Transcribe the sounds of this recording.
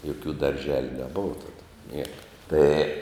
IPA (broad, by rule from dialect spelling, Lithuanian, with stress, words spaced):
joːˈkʲuː dɐrʲˈʒʲæːlʲʊ nʲɛˈboːʋɐ ˈtɑːdɐ ˈnʲiɛkɐ ˈtɐɪ